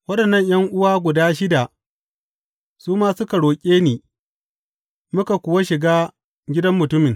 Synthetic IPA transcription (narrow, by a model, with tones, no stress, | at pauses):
wɐ˦ɗɐ˨nːɐ˦˨ɲjɐ˦ŋʔʊ˦waː˦ɡʷʊ˨daː˦ʃɪ˦da˨ | suː˦maː˦sʊ˦ka˨ɽoː˨kʲʼeː˦niː˨ | mʊ˦ka˨kʷʊ˨wa˦ʃɪ˨ɡaː˦ | ɡʲɪ˦dɐ˦mːʊ˨tʊ˦mɪ˨ŋ